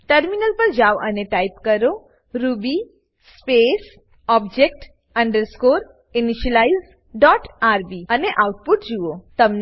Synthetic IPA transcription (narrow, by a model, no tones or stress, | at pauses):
ʈəɾminəlpəɾd͡ʒaʋəneʈaipkəɾo | ɾubi | spes | ɔb̚d͡ʒek̚ʈ | ə̃ɳɖəɾskoɾ | iniʃəlaiz | ɖɔʈaɾbiəneʔauʈ̚puʈd͡ʒuʋot̪əmn